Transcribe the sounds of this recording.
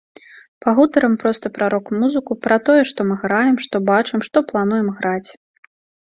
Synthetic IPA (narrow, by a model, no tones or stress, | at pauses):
paɣut̪ɐɾɐmpɾɔst̪ɐpɾaɾɔkmuzɨkupɾɐt̪ɔjɛʂt̪ɔmɨɣɾajɛmʂt̪ɔbat͡ʂɨmʂt̪ɔplˠanujɛmɣɾat͡sʲ